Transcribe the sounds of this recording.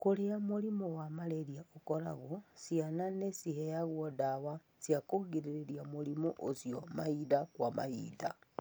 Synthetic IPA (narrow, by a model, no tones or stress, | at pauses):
kuleamulimowamaleɾijaokoɾa̰ɣosjananesihejaɣwodawa | sjakoɡiɾiɾeɾjamulimoʔosjomaidakwama̰ḭda